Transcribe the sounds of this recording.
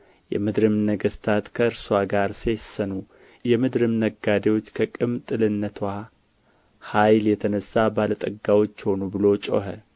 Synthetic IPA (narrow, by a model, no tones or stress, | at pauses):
jɛ̰mɨd̪ɾɨmnəɡəst̪ʰat̪kʰəɨɾsaɡaɾsesːənu | jɛmɨd̪ɾɨmnəɡad̪ewo̞t͡ʃːkʰəkʼɨmt̪ʼɨlɨnːət̪ʰwa | hajljɛt̪ʰənəsːabalət̪ʼəɡːawo̞t͡ʃːho̞nubɨlo̞t͡ʃʼo̰ɦə